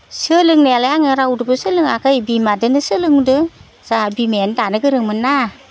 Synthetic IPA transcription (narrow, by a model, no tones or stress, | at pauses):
sɯlɯŋnealaaŋeɾawdɯbɯsɯlɯŋakʰəjbimadɯnɯsɯlɯŋdɯ | z̥abimendanɯɡɯɾɯŋmɯnːa